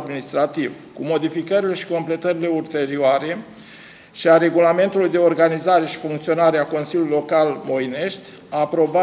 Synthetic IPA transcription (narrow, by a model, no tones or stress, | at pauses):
d̪minist̪ɾat̪iv | kumo̞d̪ifikəɾile̞ʃi̥ko̞mple̞t̪əɾile̞ult̪e̞ɾioaɾe̞ | ʃiaɾe̞ɡulame̞nt̪ulujd̪e̞o̞rɡanizaɾe̞ʃi̥fuŋkt̪sionaɾeako̞nsilʲulujilo̞kalmo̞jne̞ʃt̪ʲ | aːpɾo̞ba